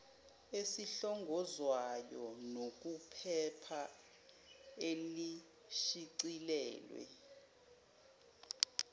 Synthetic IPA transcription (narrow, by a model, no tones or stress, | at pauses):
esiɬɔŋɡʱɔzwajɔnok̬ʼupʰɛpʰa | eli | ʃiǀilɛːlwɛ̰